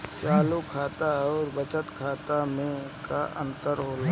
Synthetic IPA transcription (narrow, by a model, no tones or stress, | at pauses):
t͡ʃaːlukʰaːt̪aɔːɾbət͡ʃət̪kʰaːt̪amẽkaʔə̰̃nt̪əɾɦoːla